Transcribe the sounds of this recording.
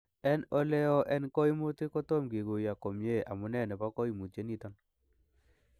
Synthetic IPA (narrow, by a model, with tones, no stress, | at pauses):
ɛ˦nɔ˦lɛ˦ɔ˦ʔɛ˦nkɔ˦i˦mu˦t̪ɪ˦kɔ˦to˦mɡi˨ɡo˨ja˨ko˨mje˦a̰˨mʊ˨˦nɛ˦˨nɛ˨pa˦kɔ˦i˨mu˨t͡ʃe˦ni˦t̪a˦n